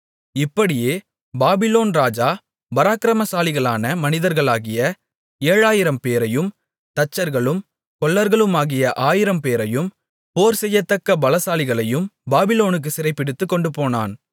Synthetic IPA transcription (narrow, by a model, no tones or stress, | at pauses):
ɪpːɐɽɪjeː | baːbɪloːnɾaːd͡ʒaː | bɐɾaːkɪɾɐmɐsaːlɪɣɐɭaːnɐmɐnɪðɐɾɣɐɭaːɣɪjɐ | eːɻaːjɪɾɐmpeːɾɐjɯm | t̪ɐt͡ʃːɐɾɣɐɭɯm | kɔɭːɐɾɣɐɭɯmaːɣɪjɐʔaːjɪɾɐmpeːɾɐjɯm | poːɾsɛjːɐt̪ːɐkːɐbɐlɐsaːlɪɣɐɭɐjɯmbaːbɪloːnɯk̬ːɯsɪɾɐɪpːɪɽɯt̪ːɯkːɔɳɖɯpoːna̰ːn